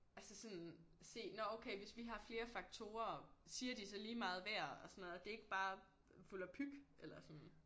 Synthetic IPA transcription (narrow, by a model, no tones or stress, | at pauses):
ʔælsəsɔ̽nse̝̰ːnɒoʊkʰeɪʋe̝sʋiɦɑ̈fle̝ːɐfɑ̈ɡ̥t͡sʰo̝̰ːɐsiːɐd̥isɒ̽liːmɑ̈ːð̞̩ˠʋæɐ̰ɒsɒ̽nɔð̩ˠɒd̥e̝e̝ɡ̥əb̥ɑ̈ː | fulæpʰyɡ̥elɐsɒ̽n